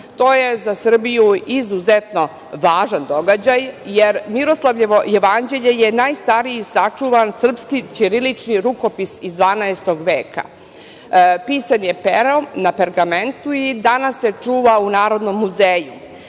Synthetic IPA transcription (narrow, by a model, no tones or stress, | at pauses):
t̪o̞ːje̞zasr̩bijuizuzet̪no̞ | ʋaːʒand̪o̞ɡad͡ʑajjeɾmiɾo̞slˠaʋojeʋand͡ʑe̞ʎeje̞naːjst̪aɾiisat͡ʂuʋansr̩pskit͡ʃiɾilit͡ʃniɾuko̞pisizd̪ʋaːnaest̪o̞ɡʋeːkʰa̰ | piːsanjepeɾonapeɾɡament̪uid̪anasːe̞t͡ʂuːʋaunaːɾo̞d̪no̞mːuzeːju